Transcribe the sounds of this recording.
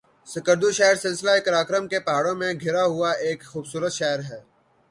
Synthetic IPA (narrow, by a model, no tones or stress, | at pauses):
sɐkəɾd̪uʃɛːəɾsɪlsɪlaekɐɾaːkɾəmkepaːɽõmẽɡʱɪɾaɦʊaeːkxuːbsuːɾət̪ʃɛːɦɾɦɛː